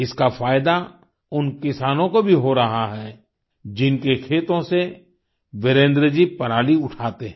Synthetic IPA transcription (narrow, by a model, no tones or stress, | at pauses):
ɪskafaːjd̪a | ʊnkɪsaːnõkobʱiɦoɾɐɦaɦɛː | d͡ʒɪnkekʰeːt̪õse | ʋɪɾẽːnd̪ɾəd͡ʒipɐɾaːliʊʈʰaːt̪eɦɛ̃